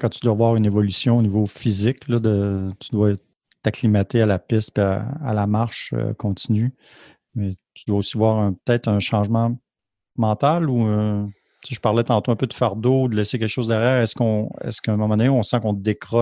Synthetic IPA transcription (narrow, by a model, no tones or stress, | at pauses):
kãt̪yd̪wavwɑːʁynevɔlysjɔ̃onivofizɪklʌd̪ət̪yd̪wa | t̪aklimat̪ealapɪst̪̚pia̰a̰lamaʁʃø̰kʰɔ̃t̪iny | mɛt̪yd̪waosivwaːʁɛ̃pə̥t̪ɛːt̪ɛ̃ʃɑ̃ːʒmã | mɑ̃t̪alu | t͡seʒəpaʁlɛt̪ɑ̃t̪oɛ̃pød̪əfaʁd̪oud̪əlɛsek̬ʲɛlkəʃozd̪ɛʁjæːʁɛskɔ̃ɛ̰skœ̃mɔ̃mɑ̃d̪neɔ̃sɑ̃kɔ̃d̪ekʁɔ